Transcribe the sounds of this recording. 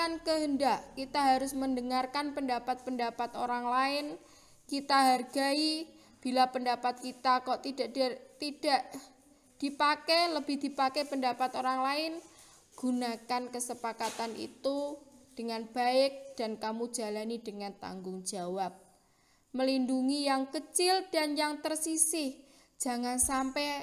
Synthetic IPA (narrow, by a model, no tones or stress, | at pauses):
ankəɦəndaʔkit̪aɦaɾʊsməndəŋarkanpəndapat̪̚pəndapat̪oɾaŋlaɪn | kit̪aɦarɡai | b̥ilapəndapat̪̚kit̪akɔʔt̪idaʔt̪id̥aʔ | d̥ipakɛləbɪhdipakɛpəndapat̪oɾaŋlaɪn | ɡ̥unakankəsəpakat̪anḭt̪ud̥əŋanb̥aɪk̚d̥ankamu̥d͡ʒ̥a̤lanid̥əŋant̪a̰ŋɡʊŋd͡ʒ̥a̤wap̚ | məlinduŋijaŋkət͡ʃɪld̥anjaŋt̪ərsisɪh | d͡ʒ̥a̤ŋansampɛ